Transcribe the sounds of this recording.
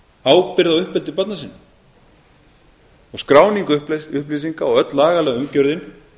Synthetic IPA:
aːwpɪɾðawʏhpɛlt̪ɪpœt̪nasɪnː | ɔɣskɾaːwniŋkʏʏhplisiŋkaɔɣœt̪laːɣalɛːɣʏmcœɾðɪn

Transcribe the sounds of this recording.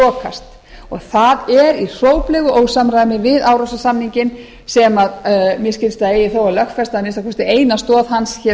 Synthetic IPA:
ɔːkʰa̰st̪ | ɔɣθaðɛɾir̥oːwplɛɣʏʔoːwɣsamɾajnɪvɪðaːwɾowsasamniɲcɪn | sɛmaðmjɛscɪlst̪aeːjɪθowalœxt̪fɛst̪aðnest̪akʰɔst̪ɪeːjnast̪ɔːðhansçɛ

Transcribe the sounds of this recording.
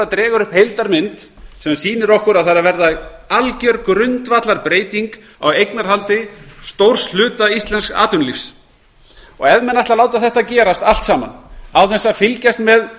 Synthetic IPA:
at̪ɾɛːɣʏɾʏhphejlt̪aɾmɪnt̪sɛmsiːnɪɾɔhkʏɾawθaɾavɛɾðaalcœɾkɾʏnt̪vat̪laɾpɾeːjt̪iŋk | a̰wejknaɾ̥ɦalt̪ɪst̪owr̥sl̥ʏːt̪aist̪lɛnska̰ːt̪ʏnlifs | ɔ̰ɣɛðmɛnajht̪alawt̪aθɛht̪acɛːɾast̪al̥t̪saːma̰nawθɛnsafɪlcast̪mɛð

